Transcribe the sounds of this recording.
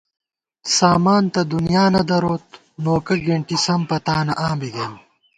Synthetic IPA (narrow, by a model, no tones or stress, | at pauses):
saːmaːnt̪ɐd̪unijaːnɐd̪ɐɾoːt̪̚ | noːkɐɡeɳʈisɐmpɐt̪aːnɐʔaːmbiɡen